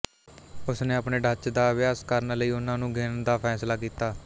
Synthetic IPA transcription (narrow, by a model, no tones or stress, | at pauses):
ʊsneːəpɳeːɖət͡ʃd̪aːʋjaːskəɾnləiːʊnãːnũːɡeːnnd̪aːpʰɛːslaːkiːt̪aː